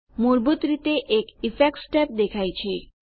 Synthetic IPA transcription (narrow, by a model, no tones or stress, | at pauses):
muɾbut̪ɾit̪eʔekifʰek̚ʈsʈɛp̚d̪ekʰajt͡ɕʰi